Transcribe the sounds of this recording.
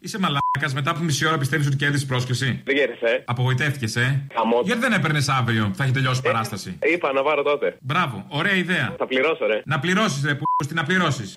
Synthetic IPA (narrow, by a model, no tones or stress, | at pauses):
isemɐlakɐzme̞t̪̬ɐːpumisio̞ɾɐpist̪eis̬ot̪̬ice̞ɾðispɾo̞scesiðeʝeɾeseɐpo̞ɣoit̪e̞ft̪ice̞sexɐmoʝɐt̪iðenepeɾnesɐvɾio̞pθeçet̪e̞ʎo̞si̥pɐɾɐst̪ɐsḭipɐnɐpɐɾot̪ot̪ebɾɐvo̞̰o̞ɾe̞ɐiðe̞ɐ̰θɐpliɾosoɾenɐpliɾo̞sisepust̪inɐpliɾo̞sis